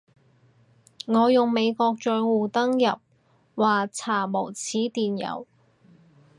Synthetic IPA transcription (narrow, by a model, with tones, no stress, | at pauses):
ŋɔː˨˧jʊ˨˩ŋme˨˧jkɔː˧k̚t͡ʃœː˧jwuː˨t̪ɐ˥ŋjɐ˨p̚ | waː˨t͡sʰaː˨˩mo˨˩wt͡sʰiː˨˥t̪iː˨njɐ̰˨˩w